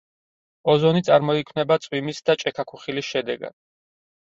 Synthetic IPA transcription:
ɔzɔnit̪sʼaɾmɔikʰwnɛbat̪sʼwimisd̪at͡ʃʼɛkʰakʰuχilisʃɛd̪ɛɡa̰d̪̥̚

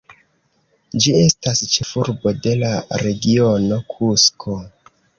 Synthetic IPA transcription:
d͡ʒie̞stast͡ʃe̞fuɾbo̞de̞laɾe̞ɡio̞no̞kʰuskʰo

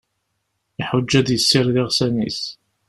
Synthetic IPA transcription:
ɪħʊd͡ʒːæðjəsːɪɾðɪʁsænis

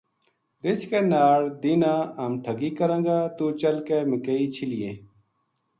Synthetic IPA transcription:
ɾɪt͡ʃkeːnaːɽd̪inãːaːmʈʰəɡiːkəɾə̃ŋɡaːt̪uːt͡ʃəlkeːmɪkeiːt͡ɕʰɪlijḛ̃ː

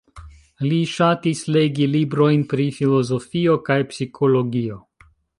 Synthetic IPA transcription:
liʃatisleɡilibɾo̞jnpɾifilo̞zo̞fio̞kajpsikʰo̞lo̞ɡio̞

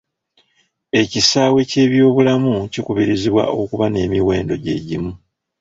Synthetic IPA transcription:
e̞cisaːwe̞ce̞ːβjo̞ːβulamucikuβiɾiziβwa̰ʔo̞kuβane̞ːmiwe̞ːndo̞ɟe̞̰ːɟimu

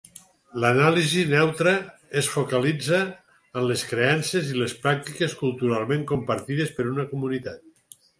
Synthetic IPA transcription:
lənalizinɛwt̪ɾəesfokalid͡zəː | nleskɾeansezilespɾak̚t̪ikeskulˠt̪uɾalˠmẽŋkompaɾt̪iðespəɾunəkomunit̪at̪̚

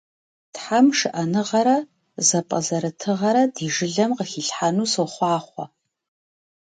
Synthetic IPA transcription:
tħamʂɨʔɐnɨʁɐɾɐ | zɐpʼɐ̰zɐɾɨtʰɨʁɐɾɐdiːʒɨɮɐmqəxiɬħanuːsoχʷɑːχʷɔ̰

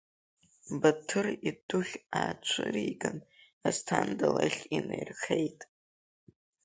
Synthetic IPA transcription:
batʰɨridʊχʲat͡ʃʷʰɨɾiɡɨn | astʰandalaχʲinejrχejtʼ

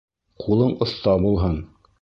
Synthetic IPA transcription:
qʰulˠɤɴŏθt̪ɑbulˠɦɤn

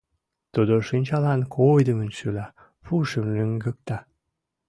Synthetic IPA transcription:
t̪ud̪oʃinʲt͡ɕɑlɑnkʰojd̪əmənʃylɑ | fuʃəmløŋɡə̆k̚t̪ɑ

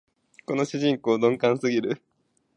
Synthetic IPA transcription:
ko̞no̞ɕiʑĩŋko̞ːd̪õŋkãɰ̃sɨɡʲiɾɯ̟

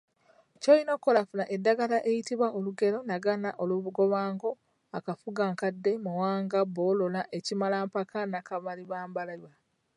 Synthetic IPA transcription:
cojino̞kːolafunaʔedːaɡalaʔejitiβwaʔoluɡe̞lo̞naɡanaʔoluβuɡo̞βaːŋɡo̞ | akafuɡaŋkadːe̞muwaːŋɡabo̞ːlolaʔe̞cimalaːmpakanakaβaliβaːmbalajwa

